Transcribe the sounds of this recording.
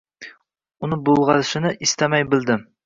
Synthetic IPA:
unɪbolˠʁɑlʃɪnɪʔist̪ɛmɛjbɪld̪ɪm

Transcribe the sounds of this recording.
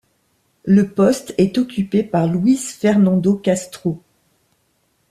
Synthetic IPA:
ləpɔst̪ɛt̪ɔkʲypepaʁlwizfɛʁnɑ̃d̪okast̪χo

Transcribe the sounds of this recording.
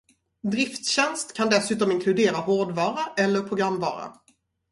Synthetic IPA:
d̪ɾɪft̪ɕɛnst̪kʰand̪ɛsʉ̟ːt̪ɔmɪŋkʰlɵd̪eːɾaɦoːɖvɑːɾaʔɛlːəɾpʰɾʊɡɾamːvɑ̰ːɾa̰

